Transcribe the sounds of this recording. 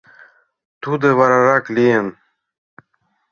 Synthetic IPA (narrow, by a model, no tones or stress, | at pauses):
t̪ud̪ewaɾaɾaklien